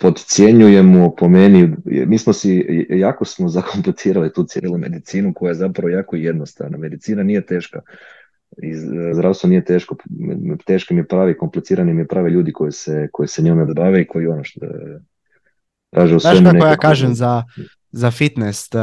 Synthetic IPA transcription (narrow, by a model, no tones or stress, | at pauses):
po̞d̪t̪sje̞ɲuje̞mupo̞menḭmiːsmosijaːkosmo̞zakʰo̞mplet̪iːɾalit̪uːt̪sjeɾilime̞̰d̪it̪siːnuko̞jajezapɾaʋo̞jaːkojed̪nost̪a̰ːʋna̰me̞d̪it̪siːnanije̞t̪e̞ːʃka | izd̪ɾaːwst̪ʋoniːje̞t̪e̞ːʃkot̪e̞ːʃkimijepɾaːʋeko̞mplet̪siːɾanimijepɾaːʋeʎuːd̪iko̞jiseko̞jiseɲomed̪baʋeikʰo̞jionoʃ | t̪ɾʔaːʒeusaeʃmkuaneojaːkaːʒemza | zafit̪nest̪